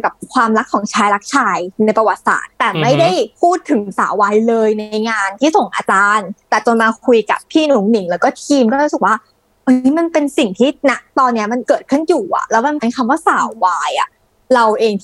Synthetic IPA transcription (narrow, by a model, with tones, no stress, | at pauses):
ka˨˩p̚kʰwaː˧mɾa˦˥kʰːɔː˨˩˦ŋt͡ɕʰaː˦˥jla˦˥k̚t͡ɕʰaː˧jna˧jpɾa˧wa˨˩t̪̚sa̰ː˨˩t̪ːɛː˨˩ma˥˩jda˥˩jpʰuː˥˩t̪ʰːɯ˨˩˦ŋsa̰ː˨˩˦waː˧jlɤː˧jna˧jŋaː˧nt̪ʰiː˥˩so˨˩ŋʔa̰ː˧t͡ɕaː˧nt̪ɛː˨˩t͡ɕo˧nmaː˧kʰu˧jka̰˨˩p̚ʰːiː˥˩nu˩˦ŋni˨˩˦ŋlɛː˦˥wkɔː˥˩t̪ʰiː˧mkɔ˥˧˦sɯ˨˩k̚waː˥˩ | ʔʔa˧niː˦˥ma˧npe˧nsi˨˩ŋt̪ʰiː˥˩na˦˥k̚t̪ɔː˧nːi˦˥ɐma˧nkɤː˨˩t̪̚kʰɯ˥˩njuː˨˩ʔa̰˨˩lɛ˦˥wma˧mpe˧nkʰa˧mwaː˥˩saː˨˩˦wwaː˧jʔa˨˩ | ɾa˧wʔeː˧ŋt̪ʰ